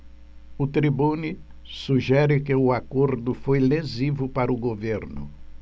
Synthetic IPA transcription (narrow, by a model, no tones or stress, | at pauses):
ʊt̪ɾibuni | suʒɛɾɪkɪʊakoɾd̪ʊfojlezivʊpaɾʊɡoveɾnʊ̰